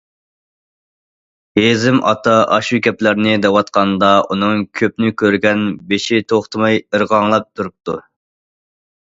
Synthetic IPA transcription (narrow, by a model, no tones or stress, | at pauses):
hezɪmʔɑ̰t̪ʰɑʔɑʃukʲɛplæɾnɪd̪ɛwɑt̪qʰɑnd̪ɑʔunɨŋkʲʰøp̚nɪkʲʰøɾɡʲɛnbeʃit̪ʰoχt̪ʰɨmɑjəɾʁɑŋlˠɑp̚t̪ʰuɾup̚t̪ʰu